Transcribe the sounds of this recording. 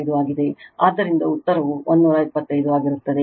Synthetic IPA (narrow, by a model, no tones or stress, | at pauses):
jd̪uaːɡid̪e̞aːd̪ːɐɾind̪ɐut̪ːɐɾɐʋuond̪nuːɾɐipːɐt̪ːɐjd̪uaːɡiɾut̪ːɐd̪e